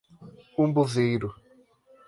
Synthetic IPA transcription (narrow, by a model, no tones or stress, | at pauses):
ũbozejɾʊ